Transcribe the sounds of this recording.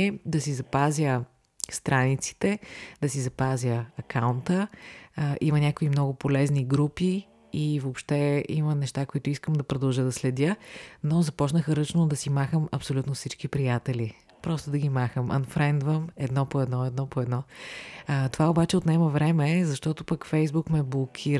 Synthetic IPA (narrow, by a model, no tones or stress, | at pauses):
ɛd̪ɐsizɐpazʲjə | st̪ɾanit̪si̥t̪ɛd̪ɐsizɐpazʲəɐkawnt̪ə | ʔimənʲakoimnɔɡʊpolɛzniɡɾupi | ivopʃt̪ɛḭmənɛʃt̪akoit̪ʊiskəmd̪ɐpɾod̪əlˠʒəd̪ɐslɛd̪ʲənozɐpɔt͡ʃnəxəɾət͡ʃnod̪ɐsimaxəmɐpsolʲut̪nofsit͡ʃkipɾijat̪ɛli | pɾɔst̪ʊd̪ɐɡimaxəmɐ̰nfɾɛnd̪vəmɛd̪nɔpoɛd̪nɔɛd̪nɔpoɛd̪nɔ | t̪ovaobat͡ʃɛot̪nɛməvɾɛmɛzɐʃt̪ɔt̪ʊpəkfɛjzbukmɛblˠokʲʰiɾ